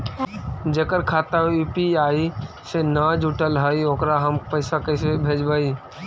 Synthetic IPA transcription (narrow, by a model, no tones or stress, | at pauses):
d͡ʒəkəɾkʰaːt̪auːpiaːi | senad͡ʒuʈəlɦəioːkɾaɦəmpəɪsakəɪsebʱeːd͡ʒbai